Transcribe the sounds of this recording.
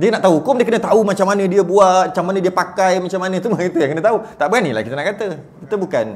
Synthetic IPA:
diənaʔt̪aukomdiəkənə̃t̪aumat͡ʃamːanə̃diəbuat͡ʃamːanə̃diəpakajmat͡ʃamanə̃tumait̪ujaŋkənə̃t̪aut̪aʔbəɡanila̰kit̪ənaʔkat̪əkit̪əbukan

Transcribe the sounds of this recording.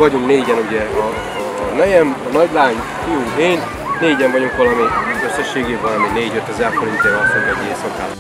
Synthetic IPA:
ɒɟuŋkneːɟɛnuɟɛɒː | nɛjɛnnɒɟlaːɲ | kuueːn | neːɟɛɱvɒɟuŋkʋɒlɒmiøsːɛʃːeːɡeːbɒlɒmineːɟøt̪ːɛzɛrfoɾint̪eːʋɛlɒsoɛmieːsɒka̰ː

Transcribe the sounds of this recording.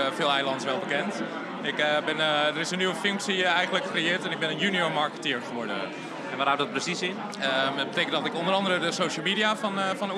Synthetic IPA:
fɪːlˠɛjlɑntsʋɛlˠbəkɛnt | ɪkbɪndəɾɪsənːyʋəføŋksiɛjɣənləkkrejɪːtɛnɪɡ̚bɪnənjunioɹmaɹkətɪɹχəʋɔɹdə̰ | ɛnʋathawtdɔt̚prəsisɪn | əət̚bəteːkəntdɔtɪkondəɾɑndəɾədəsowʃəl̩ˠmidiafɔnfɔn

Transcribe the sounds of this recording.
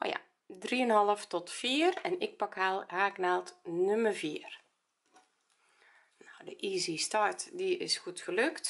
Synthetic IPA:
ʔo̰ja̰ | driənɦɑlˠəftɔtfiərɛnɪk̚pɑkhalˠhaːɡnaːlˠtnømərviər | nawdəʔiːzistɔrtdiɪ̰sxutxəløkt

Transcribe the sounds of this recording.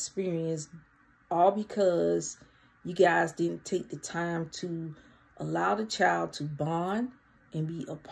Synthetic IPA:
spɪɹiɨ̃ns | ɔlˠbɨkʰʌz̥ | jɨɡaɪzdɪdⁿn̩tʰeɪk̚ðɨtʰãɪ̃mtʰə | ʔəlaʊðɨt͡ʃʰaɪlˠd̚tʰəbɑ̃n | ɨ̃nbiʔəpʰ

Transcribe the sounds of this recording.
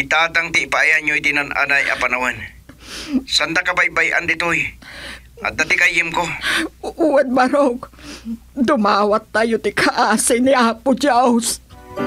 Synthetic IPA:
ʔɪt̪aːt̪aŋt̪ɪːpaajaɲoit̪ɪnanʔa̰najʔa̰panawan | sand̪akabajbajʔa̰nd̪ɪt̪oj | ʔa̰t̪̚ːat̪ɪkajɪmkoʔuwɛd̪̚maɾok | d̪ʊmaːwat̪ːaːjot̪ɪkʰaʔaːsɪnɪʔaːpʊd͡ʒaʊs

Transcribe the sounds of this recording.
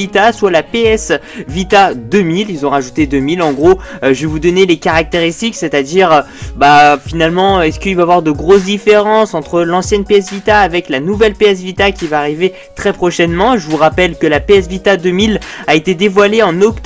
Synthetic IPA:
it̪aswalapeɛs | vit̪ad̪əmililzɔ̃ʁaʒut̪ed̪əmilɑ̃ɡʁoʒəvevud̪ɔnelekaʁak̚t̪eʁist̪ikset̪ad̪iʁø | bafinalmɑ̃ɛskəilvaːvwaʁd̪əɡʁos̬d̪ifeʁɑ̃sɑ̃t̪χəlɑ̃sjɛnpeɛsvit̪aːvɛklanuvɛlpeɛs̬vit̪akʲivaːʁive | t̪χɛpχɔʃɛnmɑ̃ʒəvuʁapɛlkʲəlapeɛsvit̪ad̪əmilaet̪ed̪evwaleɑ̃nɔkt̪

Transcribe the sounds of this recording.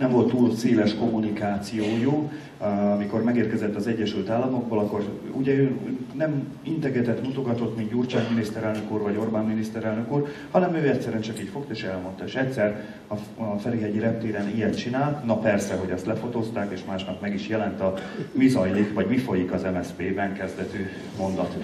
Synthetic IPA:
nɛmvo̞lt̪ːuːlseːlɛʃko̞mːunikaːt̪sijoːju | ɒmiko̞rmɛɡeːrkɛzɛt̪ːɒzɛɟːɛʃylt̪aːlːɒmo̞ɡ̚bolɒkːo̞r | uɟɛøːnɛm | int̪ɛɡɛt̪ɛt̪mut̪o̞ɡɒt̪o̞t̪mind̪uːrt͡ʃaːkminist̪ɛɾɛlnø̞kuːrvɒɟo̞rbaːnminist̪ɛɾɛlnø̞kuːrhɒnɛmøːɛt̪sɛɾyɛnt͡ʃɒkiːcfo̞kt̪eʃɛlmo̞nt̪ɒeːʃɛt̪ʲsɛr | ɒ | fɛleɦɛɟiɾɛp̚t̪eːɾɛnijɛt̪t͡ʃinaːlt̪nɒpɛrsɛɦo̞ɟɛst̪lɛfo̞t̪ost̪aːkeːʃmaːʃnɒpmɛɡiʃjɛlɛnt̪ɒmizɒjlikvɒɟmifo̞jikɒzɛmɛspeːbɛŋkɛzd̪ɛt̪yː | mo̞nd̪ɒt̪

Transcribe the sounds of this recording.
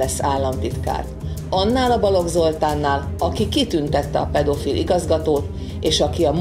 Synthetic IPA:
ɛsːaːlːɒmt̪it̪ka̰ːrt̪ɒnːaːlɒbɒlo̞ɡzo̞lt̪aːnːaːlɒkikit̪ynt̪ɛt̪ːɛɒpɛd̪o̞filʔḭɡɒzɡɒt̪oːt̪ | eːʃɒkiɒm

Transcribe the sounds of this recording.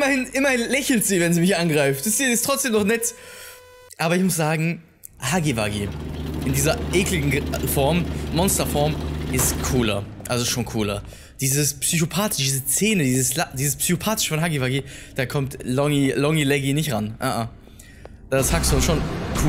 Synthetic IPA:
ʔɪmɐhɪnʔɪmɐhɪnlɛçl̩tz̥iːvɛnziːmɪçʔanɡʁaɪftɪstiːɪstʁ̥ɔt͡sd̥eːmnɔχnɛt | ʔaːbɐɪçmʊsz̥aːɡŋ̩ | haɡivaɡiʔɪndiːzɐʔeːklɪɡŋ̩fɔɐmːɔnstɐfɔɐmʔɪstkʰuːlɐ̰ʔalzoʃoːnkʰuːlɐ̰ | d̥iːzəspsyçopʰaːtɪʃd̥iːzət͡seːnədiːzəslad̥iːzəspsyçopʰaːtɪ̥ʃəfɔnɦaɡivaɡid̥aːkʰɔmtlɔŋilɔŋilɛɡinɪçtʁanʔa̰ʔa̰ | d̥aːshakstudaʃoːnkʰuː

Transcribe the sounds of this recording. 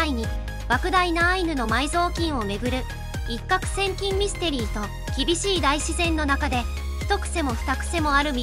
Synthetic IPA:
iɲ̟i | b̥akɯ̟d̪ainaːinɯ̟no̞maizo̞ːkʲĩɰ̃o̞me̞ɡɯ̟ɾɯ̟ | ikːakɯ̟̥sẽ̞ŋkʲĩmːʲisɨ̥t̪e̞ɾʲiːt̪o̞ | kʲibʲiɕiːd̪aiɕizẽ̞nːo̞nakad̪e̞ | çi̥t̪o̞kɯ̟̥se̞mo̞ɸɯ̟̥t̪akɯ̟̥se̞mo̞aɾɯ̟mʲi

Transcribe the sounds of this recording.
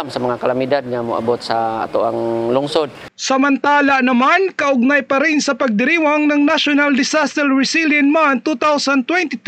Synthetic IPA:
msamaŋakalamid̪ad̪̚ɲamo̰ʔa̰bɔt̪̚sa̰ːt̪uʔaŋlʊŋsɔd̪̚ | sɐmɐnt̪aːlaʔnɐmankɐʔʊɡ̚najpɐɾɪnsɐpɐɡ̚d̪ɪɾiwaŋnɐŋnaʃʊnald̪ɪsast̪ɾɛlɹɪsiljɐnmant̪ut̪awsant̪wɛnt̪it̪

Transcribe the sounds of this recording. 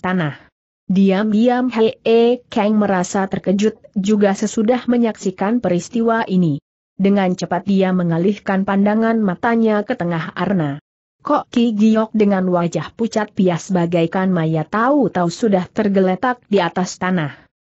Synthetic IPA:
t̪anah | diamdiamhɛekɛŋməɾasat̪ərkəd͡ʒʊt̪̚d͡ʒuɡasəsudahməɲaksikanpəɾist̪iwaʔini | dəŋant͡ʃəpat̪̚diaməŋalihkanpandaŋanmat̪aɲakət̪əŋaharna | kɔʔkiɡiɔk̚dəŋanwad͡ʒahput͡ʃat̪̚piahsəbaɡajkanmajat̪aut̪ausudaht̪ərɡələt̪ak̚diat̪ast̪anah

